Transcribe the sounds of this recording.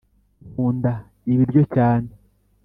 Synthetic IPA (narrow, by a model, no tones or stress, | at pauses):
kuːnda | iβiɾɟo̞caːne